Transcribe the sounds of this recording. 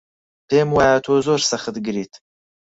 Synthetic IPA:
peːmwaːjat̪ʰoːzoːɾsɐxɨt̪ɡɨɾiːt̪

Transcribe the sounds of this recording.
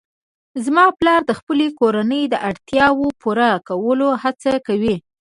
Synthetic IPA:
zmɑplɑɾd̪əxpəlekoɾanəjd̪əʔaɽt̪jɑwopuɾakawəlohat͡sakawi

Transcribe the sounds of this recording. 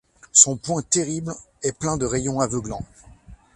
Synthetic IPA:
sɔ̃pwɛ̃t̪eʁiblɛplɛ̃d̪əʁejɔ̃avəɡlɑ̃

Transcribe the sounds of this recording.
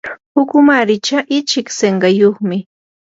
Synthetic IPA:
pʊkʊmaɾɪt͡ʃaʔɪt͡ʃɪkseɴɢɑjoχmɪ

